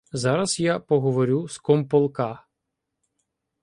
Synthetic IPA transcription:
zɑɾɐzjapɔɦɔʋɔɾʲuskɔmpɔlˠkɑ

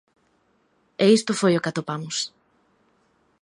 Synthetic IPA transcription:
eist̪ʊfojokat̪opamʊs

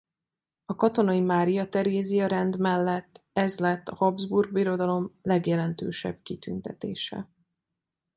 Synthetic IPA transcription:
ɒkɒt̪o̞nɒjimaːɾijɒt̪ɛɾeːzijɒɾɛnd̪mɛlːɛt̪ːɛzlɛt̪ːɒhɒbzburɡ̚biɾo̞d̪ɒlo̞mlɛɡjɛlɛnt̪ø̰ːʃɛ̰b̚kit̪ynt̪ɛt̪ḛːʃɛ̰

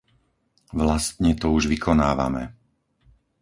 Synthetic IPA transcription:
ʋlast̪ɲɛt̪ɔuʒʋikʰɔnaːʋa̰mɛ

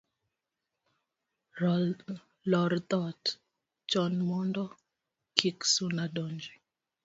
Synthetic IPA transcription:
lɔɾt̪ɔt | t͡ʃɔnmɔndɔ | kʰiksunadɔnd͡ʒi

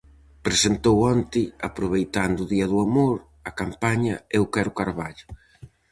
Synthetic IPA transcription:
pɾesent̪owɔnt̪ɪapɾʊβ̞ejt̪and̪ʊðiɐðuamoɾ | ɐkampaɲɐeʊkɛɾʊkaɾβaʎʊ̥

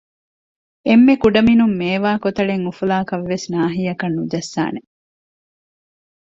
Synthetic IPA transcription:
emːekuɖɐminumːeːʋaːkot̪ɐɭeŋufulaːkɐʋːesnaːɦiɐkɐnːud̪ɐsːa̰ːne

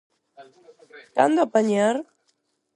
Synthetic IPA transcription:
kand̪apaɲaɾ

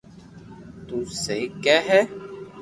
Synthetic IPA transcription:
t̪useikɛɦɛ

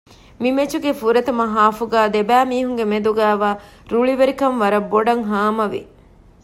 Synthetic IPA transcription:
mimet͡ʃuɡefuɾɐt̪ɐmɐɦaːfuɡæːd̪ebæːmiːɦuŋɡemed̪uɡæːʋaː | ɾuɭiʋeɾikɐnʋɐɾɐbːoɖɐŋɦaːmɐʋḭ

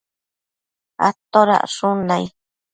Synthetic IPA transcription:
a̰t̪oɾa̰ʔʂunãj

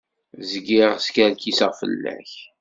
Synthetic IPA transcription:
zəɡiʁskæɾkisəʁfə̰lːæ̰ç

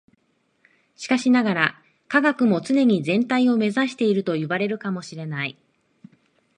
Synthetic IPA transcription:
ɕi̥kaɕinaɡaɾa | kaɡakɯ̟mo̞t͡sɨne̞ɲ̟izẽ̞nt̪aio̞me̞zaɕi̥t̪e̞iɾɯ̟t̪o̞jɯ̟baɾe̞ɾɯ̟kamo̞ɕiɾe̞nai

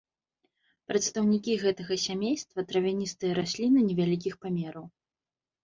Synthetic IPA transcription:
pɾɐt̪st̪ɐwnʲikʲiɣɛt̪ɐɣɐsʲamʲejst̪vɐt̪ɾɐvʲanʲist̪ɨjɐɾasʲlʲinɨnʲɛvʲalʲikʲixpamʲɛɾɐw

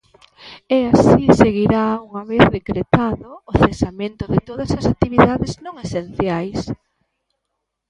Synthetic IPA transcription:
ɛasiseɣiɾauŋaβeθðekɾet̪aðoːθesamẽnt̪ʊðɪt̪oðɐsɐsak̚t̪iβiðaðɪznõŋesenθjajs

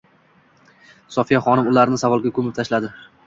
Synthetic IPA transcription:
sɒfijaχɒnɪmʊlaɾnɪsavɒlˠɡʲakʰɵmɪp̚t̪ʰaʃlad̪ɪ

